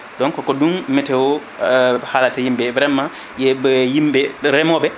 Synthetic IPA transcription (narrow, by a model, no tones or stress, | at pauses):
dɔŋkɔkɔdunmɛtɛwɔ | halatajimbɛvɾɛmːa | jɛbjimbɛɾɛmɔbɛ